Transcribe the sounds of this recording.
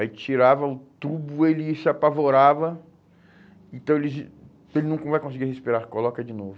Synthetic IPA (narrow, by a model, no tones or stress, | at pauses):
ait͡ʃiɾavɐʊt̪ubʊelɪsɪapavoɾavɐ | ẽt̪ɐ̃w̃elɪz | elɪnũkɐ̃vajkõsɪiɡiɾhespiɾaɾkolɔkɐd͡ʒɪnovʊ